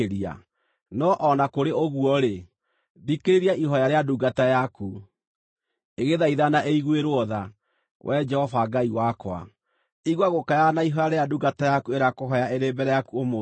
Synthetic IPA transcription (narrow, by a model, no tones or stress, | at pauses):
ɾia̰ | nɔʔɔnakoɾeoɣwɔɾe | dikeɾeɾiaʔiɦɔjaɾeaduɡatajaku | eɣeðaiðanaʔeiɣweɾwɔða | wʔɛd͡ʒɛhɔvaɡaiwakwa̰ | iɣwaɣokajanaiɦɔjaɾeaduɡatajakueɾakoɦɔjaeɾembɛɾɛjakuomo